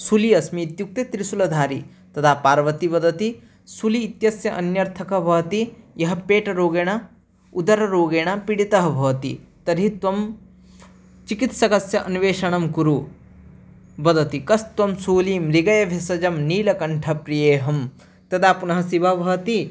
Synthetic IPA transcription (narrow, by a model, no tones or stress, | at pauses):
suliɐsmiːt̪juk̚t̪et̪ɾisulɐd̪ʱaːɾḭ | t̪ɐt̪ʰaːpaːɾʋɐt̪iʋɐd̪ɐt̪i | suliːt̪jɐsjɐʔɐnjɐɾt̪ʰɐkɐʋʱɐt̪ijɐɦɐpeːʈɐɾoːɡeːɳ̃a | ud̪ɐɾɐɾoːɡeːɳapiɽit̪ɐɦɐ̆bʱɐːt̪ḭt̪ɐɾit̪ʋɐm | t͡ʃikit̪sɐkɐsjɐʔɐnʋeːʃɐɳɐmkuɾu | bɐd̪ʱɐt̪ikɐst̪ʋɐmsuːlimɾiɡɐjɐʋʱjɐsɐd͡ʒɐmniːlɐkɐɳʈʰɐpɾijeːɦɐm | t̪ɐd̪aːpunɐɦɐ̆siʋɐʋʱɐɦt̪i